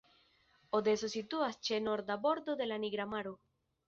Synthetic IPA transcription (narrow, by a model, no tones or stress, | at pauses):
od̪esosit̪uast͡ʃenoɾd̪aβoɾd̪oðelaniɣɾamaɾo